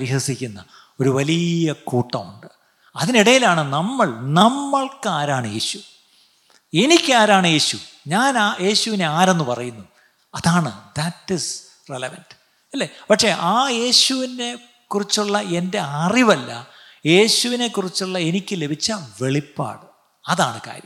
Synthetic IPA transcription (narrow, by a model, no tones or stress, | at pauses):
ɐɾiɦɐsikʲːunːɐ | o̞ɾuʋɐlijɐkuːʈːɐmṵɳɖɨ | ɐðiniɽɐjilaːɳɨnɐmːɐɭnɐmːɐɭkaːɾaːɳɨje̞ːɕu̥ | e̞nikʲːaːɾaːɳɨje̞ːɕuɲaːnaːje̞ːɕuʋine̞aːɾe̞nːɨpɐrɐjunːu | ɐðaːɳɨðɐtːis | relɐʋɐnd | ɐlːepɐkʂe̞ʔaːje̞ːɕuʋine̞ | kurit͡ɕːuɭːɐe̞nde̞ariʋɐlːɐ̰ | je̞ːɕuʋine̞kːurit͡ɕːuɭːɐe̞nikʲːɨle̞bʱit͡ɕːɐʋe̞ɭipːa̰ːɽɨ | ɐðaːɳɨka̰ːɾjɐ̰m